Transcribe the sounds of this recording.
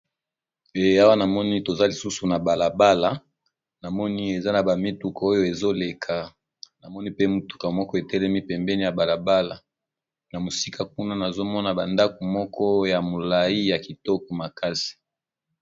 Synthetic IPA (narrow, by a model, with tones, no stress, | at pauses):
e˨a˦wa˦na˨mɔ˦ni˦to˨za˦li˨su˦su˨na˨ba˨la˨ba˦la˨ | na˨mɔ˦ni˦e˨za˦na˨ba˨mi˦tu˨ka˨o˦jo˦e˨zo˦le˨kʰa˨ | na˨mɔ˦ni˦pe˦mu˨tu̥˨ka˨mɔ˦kɔ˦e˨tɛ˦lɛ˦mi˦pɛ˨mbɛ˦ni˦ja˨ba˨la˨ba˦la˨ | na˨mo˨si˦ka˨k̚u˦na˦na˨zo˦mɔ˦na˨ba˨nda˦ko˨mɔ˦kɔ˦ja˨mo˨la˨i˦ja˨ki˨tɔ˦kɔ˨ma˨ka˦si̥˨